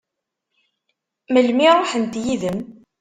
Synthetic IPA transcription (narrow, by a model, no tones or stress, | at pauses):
məlmiɾˤoħənt̪jiðəm